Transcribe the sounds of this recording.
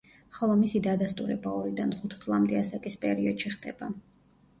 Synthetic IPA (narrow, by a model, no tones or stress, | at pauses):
χɔlˠɔmisid̪ad̪ast̪ʼuɾɛbaɔɾid̪anχut̪ʰd̪sʼlˠamd̪ɛasakʼispʼɛɾiɔd̪̥ʃiχd̪ɛba